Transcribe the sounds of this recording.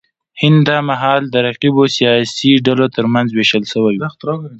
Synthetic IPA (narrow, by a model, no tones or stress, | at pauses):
hɪnd̪d̪ɑmaɦɑld̪əɾaqibosijɑsiɖalot̪əɾmanzweʃəlʃəwaju